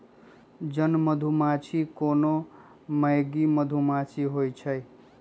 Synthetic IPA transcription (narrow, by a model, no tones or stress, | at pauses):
d͡zʌnmʌd̪ʱumat͡sʰikono | mʌjɡimʌd̪ʱumat͡sʰiɦojt͡sʰʌj